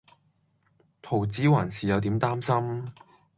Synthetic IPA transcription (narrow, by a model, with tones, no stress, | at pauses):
t̪ʰo˨˩wt͡siː˨˥waː˨˩nsiː˨jɐ˨˧wt̪̬iː˨˥mt̪aː˥msɐ˥m